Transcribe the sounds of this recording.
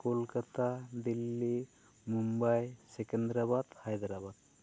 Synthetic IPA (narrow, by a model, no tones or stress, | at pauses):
kolkat̪ʰad̪ilːi | mumbajsekend̪ɾabad̪hajd̪ɾabad̪̚